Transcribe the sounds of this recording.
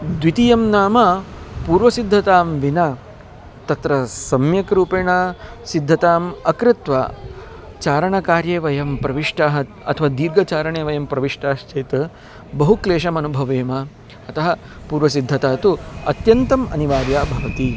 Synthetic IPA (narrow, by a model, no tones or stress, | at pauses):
d̪ʋit̪ijɐmnaːmɐpuːɾʋɐsid̪ʱːɐt̪aːmʋinɐ | t̪ɐt̪ɾɐsɐmjɐkɾuːpeːɳaː | sid̪ʱːɐt̪aːmɐkɾɪt̪ʋaː | t͡ʃaːɾɐɳɐkaːɾjeːʋɐjɐmpɾɐʋiʂʈaːɦɐt̪ɐ̰t̪ʰɐʋaːd̪iːɾɡɐt͡ʃaːɾɐɳeːʋɐjɐmpɾɐʋiʂʈaːʃt͡ʃɐjt̪ | bɐɦukleːʃ̬ɐmɐnubʱɐʋeːmɐ | ɐt̪ɐɦɐ | puːɾʋɐsid̪ʱːɐt̪aːt̪uɐ̰t̪jɐnt̪ɐmɐ̰niʋaːɾjaːbʱɐʋɐt̪i